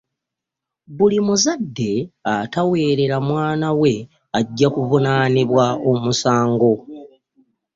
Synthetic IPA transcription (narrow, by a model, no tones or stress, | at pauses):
bulimuzadːe̞atawe̞ːɾe̞ɾamwaːnawe̞ | aɟːakuvunaniβwaomusaːŋɡo̞